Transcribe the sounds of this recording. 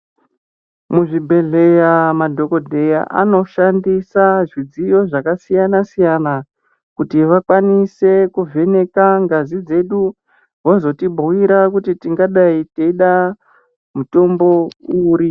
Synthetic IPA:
muʐibʱe̞ɮe̞jamadʱo̞ko̞dʱe̞ja̰ʔa̰no̞ʃandisaʐid͡zijo̞ʐakasijanasijana | kutiʋakwanise̞kuvʱe̞ne̞kaŋɡazid͡ze̞ɗu | wo̞zo̞tibʱuwiɾakutitiŋɡaɗaiteiɗa | muto̞mbo̞uːɾi

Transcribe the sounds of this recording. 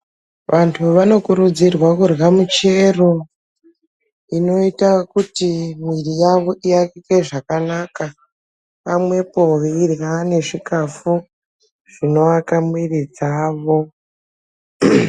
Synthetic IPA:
ʋʔantʰuʋano̞kuɾud͡zirwakurɣamut͡ʃe̞ro̞ | ino̞itakutimwirijaʋo̞ʔiakikeʐakanaka | pamwe̞po̞ʋiirɣane̞ʐikafu | ʐ̥ino̞ʋakamwirid͡zaːʋo̞

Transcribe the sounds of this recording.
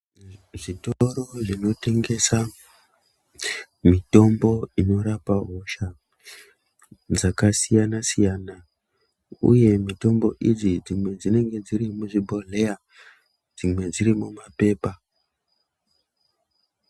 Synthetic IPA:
ʐitoɾo̞ʐino̞te̞ŋɡe̞sa | mito̞mbo̞ino̞ɾapaɦo̞ʃa | d͡zakasijanasijana | ṵje̞mito̞mbo̞ʔid͡zid͡zimwe̞d͡zine̞ŋɡe̞d͡ziɾimuʐibʱo̞le̞ja | d͡zimwe̞d͡ziɾimumape̞ːpa

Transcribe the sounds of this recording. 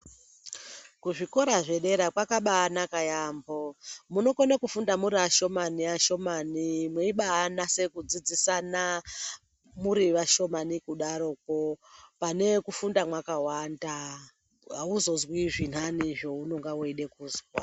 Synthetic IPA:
kuʐiko̞ɾaʐe̞ɗe̞ɾakwakaɓaːnakajambomuno̞konekufundamuɾiaʃo̞maniaʃo̞manimweiɓaːnase̞kud͡zid͡zisana | muɾiʋaʃo̞manikuɗaɾo̞k̚opane̞kufundamwakawanda | auzo̞zwiʐin̤aniʐo̞uno̞ŋɡawoiɗe̞kuːzwa

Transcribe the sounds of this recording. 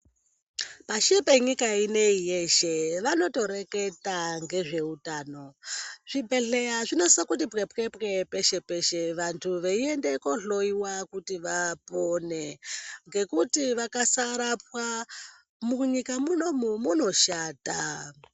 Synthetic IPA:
paʃepeɲikaineijeʃeʋano̞to̞ɾe̞ketaŋɡe̞ʐe̞utaːno̞ʐ̥ibʱe̞ɮejaʐino̞sakutipɣepɣepɣepeʃepeʃeʋantʰuʋeiendekoɬoiwakutiʋaponeŋɡe̞kutiʋakasaɾap̚wa | muɲikamunomumuno̞ʃaːta

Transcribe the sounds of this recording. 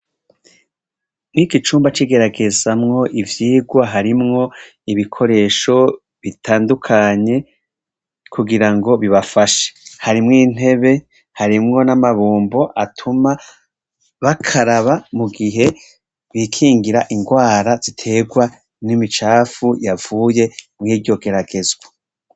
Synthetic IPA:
mŋiːkit͡ʃuːmbat͡ʃiɡe̞ɾaɡe̞zamŋo̞ʔivjiːɡwaɦaɾimŋo̞ | iβikʰo̞ɾe̞ːʃo̞ | βitʰaːndukʰaɲe̞ | kʰuɡiɾaŋɡo̞βiβafaʃe̥haɾimŋiːn̥e̞βe̞ | haɾimŋo̞namaβuːmbo̞ʔatʰuma | βakʰaɾaβamuɡiɦe̞ | wikʰiːŋɡiɾaʔiŋɡwaːɾaz̥itʰe̞ɡwa | nimit͡ʃaːfujav̥uːje̞mŋiːɾɟo̞ɡe̞ɾaɡe̞zwa

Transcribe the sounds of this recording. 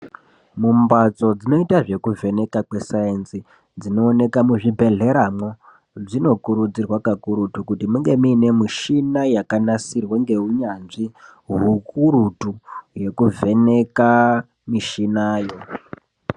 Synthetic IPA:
mumbat͡so̞d͡zino̞itaʐe̞kuvʱe̞ne̞kakwe̞saensi | d͡zino̞ːne̞kamuʐibʱe̞ɮe̞ɾamo | ʐino̞kuɾud͡zirwakakuɾutukutimuŋɡe̞miːne̞miʃinajakanasirweŋɡe̞ɦuɲanʐiɦukuɾutuje̞kuvʱe̞ne̞ka | miʃinaːjo̞

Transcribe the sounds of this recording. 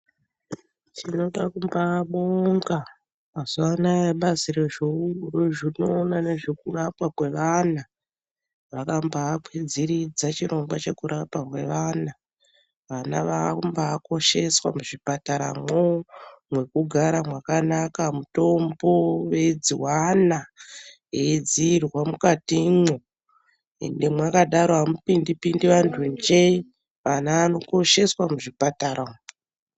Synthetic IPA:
t͡ʃino̞ɗakumbaɓoŋɡaː | zoanajeɓaziɾeʐouroʐinoːnane̞ʐekurapwakwe̞ʋana | ʋakambaakwed͡ziɾid͡zat͡ʃiɾo̞ŋɡwat͡ʃe̞kuɾapwakwe̞ʋaːna | ʋanaʋakaumbaːko̞ʃe̞swamuʐipataɾa̰momwe̞kuɡʱaɾamwakanakamuto̞mbo̞ʋe̞d͡ziwana | ed͡ziːrwamukatimo | ḛndemwakaɗaɾoɦamupindipindiʋantʰund͡ʒei | ʋanaːno̞ko̞ʃe̞swamuʐipataɾam

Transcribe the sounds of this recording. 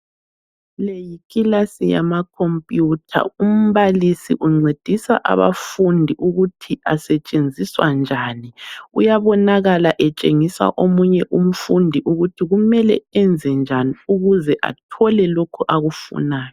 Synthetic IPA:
lejikʼilasija̰makʰɔmpʼjutʰa̰um̩βalisḭʔuŋ͡ǀed̥ʱisa̰ʔa̰βa̰fundʱiʔuɣutʰiasɛt͡ʃʼend͡zʱiswa̰nd͡ʒʱaːniṵjaβɔnaɣalaʔɛt͡ʃʼeŋisa̰ʔomuɲɛʔum̩fundʱiʔuɣutʰiɣumɛlɛ̰ɛnd͡zʱɛnd͡ʒʱaniuɣuzɛʔa̰tʰɔlɛlokʰuʔaɣufṵnaːjɔ

